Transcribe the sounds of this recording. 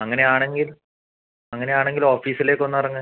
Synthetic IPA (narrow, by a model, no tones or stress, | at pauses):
ɐŋːɐne̞aːɳe̞ŋɡil | ɐŋːɐne̞aːɳeŋɡiloːfiːsileːkːo̞nːuɐrɐŋːɨ